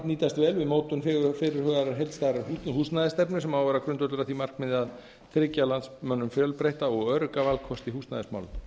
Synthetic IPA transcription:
niːt̪ast̪vɛːlvɪðmoːwt̪ʏnfɪfɪɾɪɾ̥hœɣðaɾaɾɦejlt̪st̪aɾaɾhuhust̪naðɪst̪ɛpnʏsɛmaːwvɛɾakɾʏnt̪œt̪ʏɾaθimar̥kmɪðɪað | θʰɾɪcalant̪smœnːʏmfjœlpɾejht̪aɔɣœːɾʏkavalkʰɔst̪iɦuːst̪naðɪsma̰wlʏn

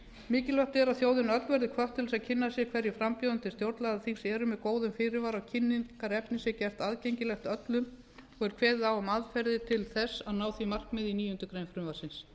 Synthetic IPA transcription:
mɪːcɪlvœht̪ɛɾaðθjoːwðɪnœt̪lvɛɾðɪkʰvœht̪ʰːɪls̬aðcʰɪnːasjɛkʰvɛɾjɪfɾampjowðʏnt̪ɪst̪jowɾt̪laðaθiŋsɛɾʏmɛðkoːwðʏmfɪːɾɪvaːɾawcʰɪnːiŋkaɾɛpnɪsjɛcɛft̪aðcejɲcɪlɛxt̪œt̪lʏm | ɔɣɛɾ̥kʰvɛːðɪðawamaðfɛɾðɪt̪ʰɪlθɛsːaðnaːwθimar̥kmɪðiniːjʏnt̪ʏkɾejnfɾʏmvaɾsɪns

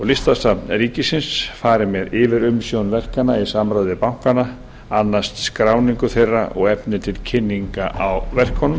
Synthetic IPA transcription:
ɔɣlɪst̪ast̪apnɾiːcɪsɪnsfaːɾɪmɛðɪvɪɾʏmsjownvɛr̥kanaisamɾajðɪpawŋ̥kana | anːast̪skɾaːwniŋkʏθejrːa̰ʔɔ̰ɣɛpnɪt̪ʰɪlcʰɪnːiŋkaʔawvɛr̥khɔnʏm

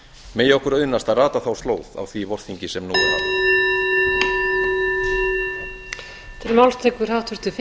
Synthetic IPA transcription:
meːjaɔhkʏɾaʏnːast̪araːt̪aθawst̪loːwða̰wθvivɔr̥θiɲcɪsɛmnuːava̰ | t̪ʰɪlmawlst̪ʰejkʏr̥awht̪vʏɾ̥t̪ʏf

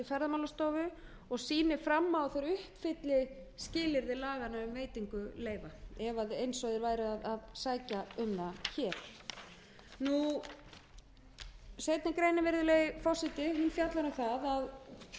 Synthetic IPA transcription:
ɪfɛɾðamawlast̪oːwvʏ | ɔɣsiːnɪfɾamːawθaɾʏhpfɪt̪lɪ | scɪːlɪɾðɪlaːɣanaʏmveːjt̪iŋkʏleːjvaɛvaðejnsɔðɪɾvaːjɾɪaðaðsaːjcaʏmðaçɛːɾ̥ | nu | sejt̪nɪkɾejnɪvɛɾðʏlɛɣɪfɔsɪt̪ɪɦʏnfjat̪laɾʏθaðað

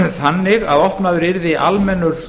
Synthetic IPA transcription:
θanːɪɣa̰ðɔhpnaðʏɾɪɾðɪʔalmɛnːʏɾ

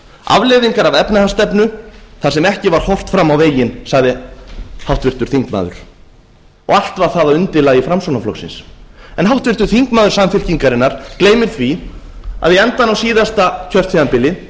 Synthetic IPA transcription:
a̰vleðiŋkaɾavɛpnɪhast̪ɛpnʏθasɛmɛhcɪvaɾ̥hɔr̥t̪fɾamːawveːjɪnsaɣðɪhawht̪vɪr̥t̪ʏɾ̥θiŋkma̰ːðʏ̰ɾ̥ | ɔɣal̥t̪vaɾθaðaʏnt̪ɪlaːɣjɪfɾamsownaflɔ̰ksɪ̰nsɛnhawht̪vɪr̥t̪ʏɾ̥θiŋkmaːðʏɾsamfɪl̥ciŋkaɾɪnːaɾ̥kleːjmɪɾ̥θvi | a̰ðvɪɛnt̪anawsiːðast̪acʰœr̥t̪fianpɪlɪ

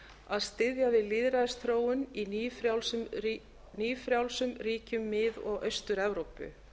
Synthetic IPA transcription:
aðst̪ɪðjavɪðlɪðɾaðɪsθʰɾoːwʏninɾawls | niːfɾjawlsʏmriːcʏmːɪðɔɣœɥst̪ʏɾɛvɾowpʏ̰

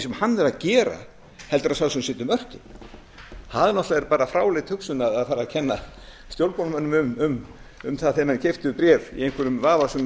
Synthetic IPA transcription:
sɛmhanːvɛɾaðcɛːɾa̰ | hɛlt̪ʏɾasaːwsɛnsɪːt̪ʏmœr̥cɪn | haðɪnɔht̪laɛɾpaːɾafɾawlɪt̪hʏksʏnaðaðfaːɾacʰɛnːa | st̪jowlpɔnmanːʏmʏmʏm | ʏmθaðθɛmancɪft̪ʏpɾjɛːvḭejnŋ̥kʰʏɾʏmvaːvasɛm

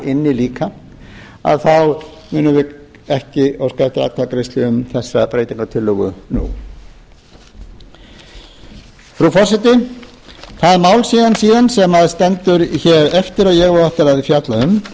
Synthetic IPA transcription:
ɪnːɪliːka | a̰ðθaw | mʏːnʏvɪɛhcɪawskaft̪ɪɾa̰t̪ʰakɾɪst̪lɪʏmθɛsːapɾeːjt̪iŋkat̪ʰɪlːʏɣʏ̰nṵ | fɾufɔsɪt̪ɪ | θaðɾmawlsiːðansiːðansɛmaðst̪ɛnt̪ʏɾçɛːɾɛft̪ɪɾajɛɣvaɾɛft̪ɪɾaðvɪfjat̪laʏm

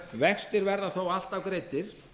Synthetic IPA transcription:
vɛxst̪ɪɾvɛɾðaθowal̥t̪awkɾejt̪ɪɾ̥

